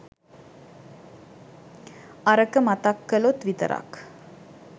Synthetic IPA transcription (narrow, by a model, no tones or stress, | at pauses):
ʔɐɾəkəmɐt̪ɐkːəlot̪vit̪ə̰ɾʔɐ̰k